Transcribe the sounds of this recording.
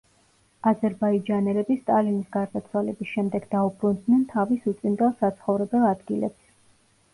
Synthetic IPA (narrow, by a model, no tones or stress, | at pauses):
azɛɾbaid͡ʒanɛlɛbist̪ʼalinisɡaɾd̪at̪sʰwalɛbisʃɛmd̪ɛɡd̪aubɾund̪nɛnt̪ʰavisut̪sʼind̪ʼɛlˠsat̪sʰχɔvɾɛbɛlˠad̪ɡilɛ̰ps